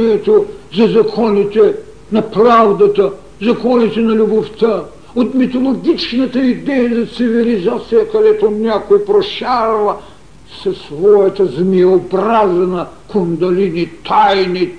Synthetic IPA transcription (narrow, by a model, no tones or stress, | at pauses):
iɛt̪ozɐzɐkʰɔnit̪ɛ | nɐpɾavd̪ɐt̪ə | zɐkɔnit̪ɛnɐlʲuboft̪ə | ot̪mit̪olˠoɡʲit͡ʃnət̪əid̪ɛjɐzɐt̪sivilizat̪sijəkɐd̪ɛt̪onʲakoipɾoʃaɾvə | sɐsvɔjɐt̪əzmiobɾazɛnɐkond̪ɐlinit̪ʰajni